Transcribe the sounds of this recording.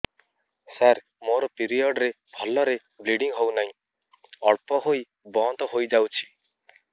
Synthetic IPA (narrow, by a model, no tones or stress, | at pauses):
saɾ | moɾɔpiɾiɔɖɾe | bʱɔlɔɾe | bliɖiŋɦownaɦĩ | ɔɭpɔɦoi | bɔnt̪ɔɦojd͡ʒawt͡ʃʰi̥